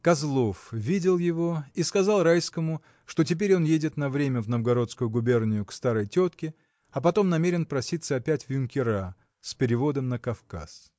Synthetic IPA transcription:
kɐzlˠo̞fvʲidʲɪlˠjɪvo̞iskɐzɑlˠrajskəmʊ | ʂt̪o̞tʲɪp̬ʲeɾʲo̞njedʲɪt̪nɐvɾʲemʲəvnəvɡɐɾo̞t̪skʊjʊɡʊbʲe̞rnʲɪjʊkst̪aɾəjtʲo̞t̪kʲɪ | ɐpɐt̪o̞mnɐmʲeɾʲɪnpɾɐsʲit̪səɐpʲætʲvjʊnʲkʲɪɾa | sʲpʲɪɾʲɪvo̞d̪əmnəkɐfka̰s

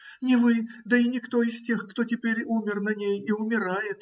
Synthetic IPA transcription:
nʲɪvɨd̪əinʲɪkt̪oistʲe̞xkt̪otʲɪpʲeɾʲumʲɪrnɐnʲejiʊmʲɪɾajɪt̪

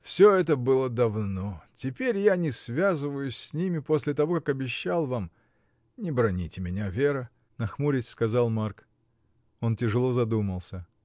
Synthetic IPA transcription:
fsʲoɛt̪əbɨlˠəd̪ɐvno̞tʲɪpʲeɾʲjanʲɪsvʲazɨvəjʊsʲsʲnʲimʲɪpo̞sʲlʲɪt̪ɐvo̞kakɐbʲɪɕːalˠvam | nʲɪbɾɐnʲitʲɪmʲɪnʲavʲeɾə | nɐxmuɾʲɪtʲskɐzalˠmark | o̞ntʲɪʐɨlˠo̞zɐd̪uməlˠsʲə

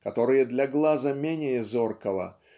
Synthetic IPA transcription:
kɐt̪oɾɨjəd̪lʲɐɡlˠazəmʲenʲɪjəzorkəvə̰

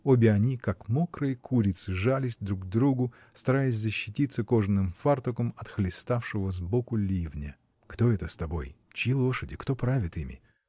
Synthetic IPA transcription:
obʲɪɐnʲikakmokrəɪkʰuɾʲɪt̪sɨʐalʲɪsʲd̪ɾuɡd̪ɾuɡʊ | st̪ɐɾajɪs̬ʲzəɕːɪtʲit̪səko̞ʐɨnɨmfart̪ʊkəmɐt̪xlʲɪst̪afʂɨvəzbokʊlʲivnʲə | kt̪o̞ɛt̪əst̪ɐbo̞̰j | t͡ɕɪjilˠoʂədʲɪkt̪opɾavʲɪt̪imʲɪ̰

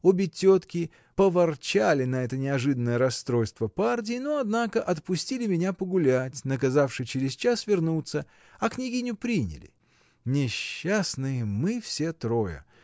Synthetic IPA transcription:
obʲɪtʲot̪kʲɪ | pəvɐrt͡ɕalʲɪnɐɛt̪ənʲɪɐʐɨd̪ənːəjəɾɐst̪ɾo̞jst̪vəpardʲɪːnoɐd̪nakəʔɐt̪pʊsʲtʲilʲɪmʲɪnʲapəɡʊlʲætʲnək̬ɐzafʂɨjt͡ɕɪɾʲɪst͡ɕasvʲɪrnut̪sːə | ɐknʲɪɡʲinʲʊpɾʲinʲɪ̰lʲɪ̰ | nʲɪɕːasnɨjmɨfsʲe̞t̪ɾojə̰

